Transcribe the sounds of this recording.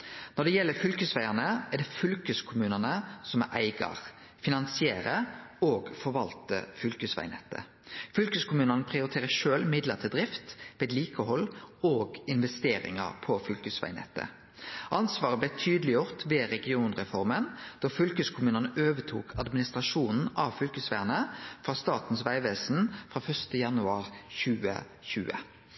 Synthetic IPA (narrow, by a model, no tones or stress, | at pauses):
nɔd̪ɛjɛlːəfʏlkəsʋæɪɑnəæɖ̪ɛfʏlkəskʰʊmʉːnənəsɔmɛʔæɪɡɑ̰ʁ | fɪnɑnsɪeːɾəoːɡfɔɾʋɑlt̪ə̰fʏlkʉsʋæ̰ɪnɛ̰t̪ːə̰ | fʏlkəskʰʊmʉːnənəpʰʁɪʊɾɪt̪ʰeːʁəʃøːlmɪd̪ləʁt̪ʰɪld̪ʁɪft̪ʋeːd̪liːkəhɔlːoːɡɪnʋɛst̪eːɾɪ̰ŋə̰ʁpʰɔfʏlkʉsʋæ̰ɪnɛ̰t̪ːə̰ | ʔɑnsʋɑːʁəblɛt̪ʰyːd̪əlɪjʊʁt̪ʋeːɾɛɡɪuːnʁɛfɔʁmənd̪̥ofʏlkʉskʰʊmʉːnənəʔøːʋət̪ʰṵːkʰɑd̪mɪnɪst̪ʁɑʃuːnn̩ɑʋfʏlkʉsʋæʁnəfʁɑːst̪ɑːt̪n̩sʋæɪʋeːsn̩fʁɑːfœst̪əjɑnʉɑːʁçʉːə̰ | çʉ̰ːə̰